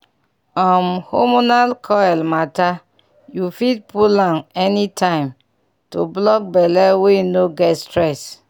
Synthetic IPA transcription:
ɔmhomonalkʰɔɛlmata | jufit̚pulãnɛnitʰãɪ̃m | to̰blɔk̚bɛlɛwenoɡɛtstɹɛs

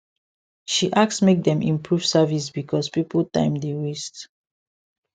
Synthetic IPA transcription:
ʃiʔak̚smek̚d̪ɛ̃mḭ̃mpʰɹuv̥savis̬bikʰɔspipltã̰ɪ̃mdeɹist

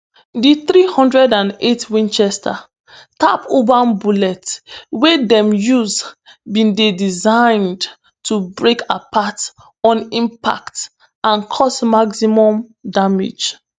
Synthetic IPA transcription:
diθɾihɔ̃ndɹɛdãnetwĩnt͡ʃɛstʰa̰ | ta̰pobanbulɛtwedɛ̃mjuzbĩndedizãɪ̃nd | tʰubɹekapat | ɔ̃nĩmpa̰kt | ãnkʰɔsmaɡsimɔ̃mdamḭd͡ʒ

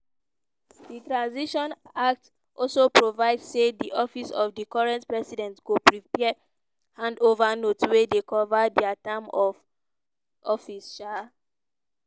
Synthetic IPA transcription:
ditɹãnziʃɔ̃nak̚t | ʔɔlsopɹovaɪdssediʔɔfisɔfdikɔɹɛ̃ntpɹɛsidɛ̃ntɡopɹipɛ | hãndovanotwedekɔvadɛatãmɔv | ʔɔfisʃa

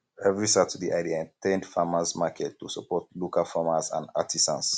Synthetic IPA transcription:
ɛvɹisatʰudiʔaɪdiaɛ̃ntɛ̃ndfamasmakʰɛtːusəpɔtlokalfamasã̰na̰tʰisã̰ns

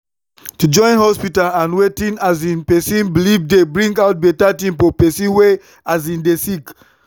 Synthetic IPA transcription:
tud͡ʒɔ̃ɪ̃nhɔspitalãnwetĩnazĩnpɛsĩnblivdebɹĩŋɡaʊt̚betatĩmpopɛsĩnwe | azĩndesik

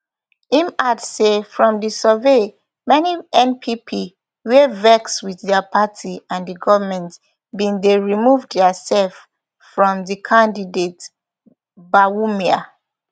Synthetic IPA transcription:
ĩmadsefɹɔ̃mdisəve | mɛniɛ̃npʰipʰi | wevɛkswiðdɛapʰatʰiãndiɡɔvəmɛ̃nt | bĩndeɹimuvdɛəsɛlf | fɹɔ̃mdikʰãndidet | bawumia

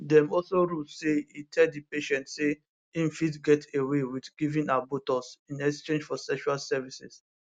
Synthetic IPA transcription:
dɛ̃mɔlsoɹuseitʰɛddipeʃɛ̃ntse | ĩmfitɡɛtewewidɡivĩnabotɔsĩnɛkst͡ʃẽnd͡ʒfɔsɛkʃualsɛvisɛ̰s

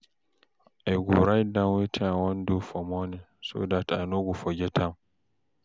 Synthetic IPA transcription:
ʔajɡʷuɾajdawitʰawɔndufɔmɔne | so̰datʼa̰noɡufɔɡʲɛtʰam

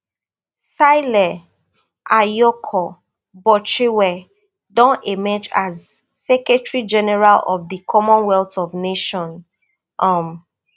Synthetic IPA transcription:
saɪlɛ | ʔajɔkʰɔ | bɔt͡ʃiwɛ | dɔ̃nemɛd͡ʒaz | sɛkɛtɹid͡ʒɛnɛɹalɔ̰vðikʰɔmɔ̃nwɛltɔvneʃɔ̃n | ʔam

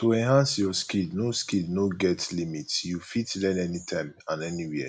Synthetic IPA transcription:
toɛ̃nɦãnsjɔskidnoskidnoɡɛtlimitsjufitlɛ̃nɛnitʰãɪ̃mãnɛniwi

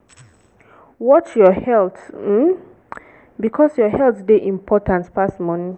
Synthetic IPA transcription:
wɔt͡ʃjɔhɛlt̩ | bikʰɔsjɔɦɛltdeʔĩmpʰɔtʰãnspastmɔ̃nĩ

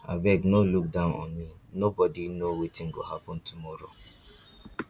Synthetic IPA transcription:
a̰bɛɡnoluk̚dãʊnɔ̰nminobɔdinowetiŋ̩ɡo̰hapʊn̩tumɔɾo̰

